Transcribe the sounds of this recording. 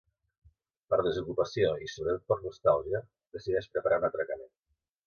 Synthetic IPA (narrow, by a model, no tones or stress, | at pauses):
pəɾð̞əzukupəsioisoβɾət̪ot̪̚pəɾnust̪alˠʒə | ðəsiðɛʃpɾəpaɾʔaunat̪ɾəkəmen